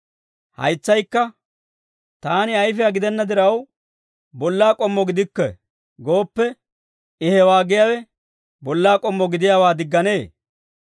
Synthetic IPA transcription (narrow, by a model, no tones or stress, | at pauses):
hɐ̰jt͡sːɐjkːɐ | t̪aːnɪɐjfɛjaɡɪd̪ɛnːɐd̪ɪɾɐw | bɔlːaːkʼɔmːɔɡɪd̪ɪkːɛ | ɡo̞ːpːɛ | ɪhɛwaːɡɪjawɛ | bɔlːaːkʼɔmːɔɡɪd̪ɪjaːwaːd̪ɪɡːɐne̞ː